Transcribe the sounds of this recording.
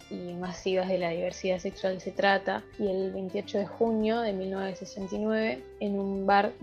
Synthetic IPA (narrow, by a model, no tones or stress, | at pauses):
imasiβazðe̞laðiβeɾsiðase̞kswalse̞t̪ɾat̪a | ie̞lβejnt̪iot͡ʃo̞ðexunjo̞ðe̞milnweβesesent̪inwe̞βe̞ | enumbaɾ